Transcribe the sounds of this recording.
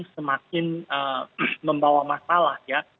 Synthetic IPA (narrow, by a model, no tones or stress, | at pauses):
səmakɪnəməmbawamasalahja